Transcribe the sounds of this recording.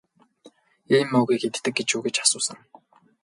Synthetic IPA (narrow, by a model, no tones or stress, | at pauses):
iːmɵɣiːxet̪ʰt̪ɘ̆k̚ɡet͡ɕuːɣet͡ɕḁsʊːsə̆ŋ